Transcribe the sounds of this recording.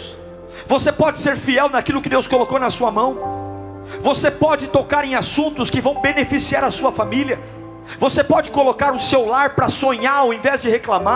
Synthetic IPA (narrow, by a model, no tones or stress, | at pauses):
vosepɔd͡ʒɪseɾfiɛwnɐkilʊkɪd̪ewskolokownɐsuɐmɐ̃w̃ | vosepɔd͡ʒɪt̪okaɾẽj̃asũnt̪ʊskɪvɐ̃w̃benefisiaɾɐsuɐfamiljɐ | vosepɔd͡ʒɪkolokaɾʊsewlaɾpɾɐsõɲaɾowẽvɛzd͡ʒɪheklama